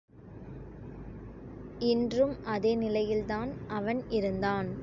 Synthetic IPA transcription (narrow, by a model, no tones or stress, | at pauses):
ɪndrɯmʔɐðeːnɪlɐjɪlt̪aːnʔɐʋɐnɪɾɯnd̪aːn